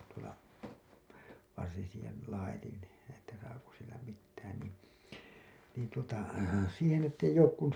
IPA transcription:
tuolɑ ʋɑrsin siːhen̞ lɑitin etːæ sɑːko silːæ mitːæːn niːn̞ niːn tuotɑ siːhen etː eijˑ oːk kun

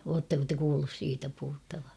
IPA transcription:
oːtːɑko te kuːlːus siːtæ puhutːɑʋɑ

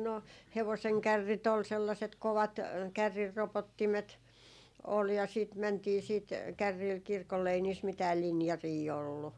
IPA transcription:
no heʋoseŋ kærːit ol selːɑset koʋɑt kærːirːopotːimet ol jɑ siˑt mæntiː siːt kærːiːl kirkolːe ei niːs mitæːl linjɑriː olːu

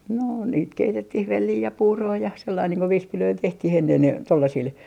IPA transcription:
no niːt keitetːih ʋelːiː jɑ puːroː jɑ selːɑin niːŋ ko ʋispiløil tehtih enːen tolːɑsil

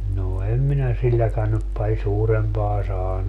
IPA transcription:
noː em minæ silːækæn nyp pɑlʲ suːrempɑː sɑːnu

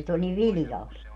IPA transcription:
sit olʲ niʋ ʋilĭjɑlt

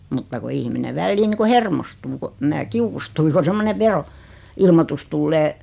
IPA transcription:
mutːɑ ku ihmine ʋælːiː ni ku hermostuː ko mæː kiukustui ko semːone ʋero ilmotus tulːeː

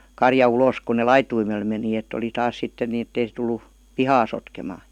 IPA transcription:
kɑrjɑ uloˑs kun ne lɑituimel meni etˑ oli tɑːs sitːen ni etːei se tulˑu pihɑː sotkemɑː

